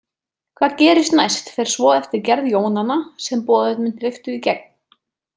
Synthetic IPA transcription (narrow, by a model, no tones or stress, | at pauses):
kʰvaːðcɛːɾɪst̪najst̪fɛɾ̥svɔːðɛft̪ɪɾcɛɾðjoːwnanasɛmpɔːðʏðmɪnθɾɪft̪ʏicɛk̚n